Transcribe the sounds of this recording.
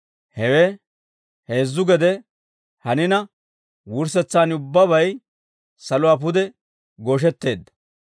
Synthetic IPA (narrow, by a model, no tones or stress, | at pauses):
hɛwɛ | he̞ːzːʊɡɛd̪ɛ | hɐnɪnɐ | wʊɾs̬ɛt͡sːaːnʊbːɐbɐj | sɐlʊwaːp̬ʊd̪ɛ | ɡoːʃ̬ɛt̪ːe̞ːd̪ːɐ̥